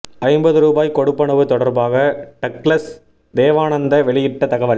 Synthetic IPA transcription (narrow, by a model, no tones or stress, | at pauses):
ʔɐɪmbɐðɯɾuːbaːjkɔɽɯpːɐɳɐʋɯt̪ɔɽɐɾbaːɣɐʈɐkɭɐs | d̪eːʋaːnɐnd̪ɐʋɛɭɪjɪʈːɐt̪ɐɣɐʋɐl